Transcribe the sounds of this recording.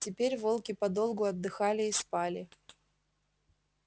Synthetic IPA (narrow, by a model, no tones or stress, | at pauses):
tʲɪpʲeɾʲvo̞lˠkʲɪpɐd̪o̞lˠɡʊɐd̪ːɨxalʲɪːspalʲɪ